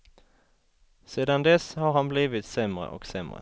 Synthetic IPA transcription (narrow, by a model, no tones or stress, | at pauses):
seːd̪and̪ɛshaɾhanbliːvɪt̪sɛmɾə̰ʔɔ̰ksɛmɾə̰